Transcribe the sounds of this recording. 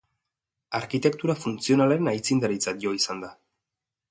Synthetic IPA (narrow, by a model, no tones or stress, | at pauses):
aɾkit̪e̞kt̪uɾafunt͡sio̞naleɾenajt͡sind̪aɾit͡sat̪̚ʝo̞isand̪a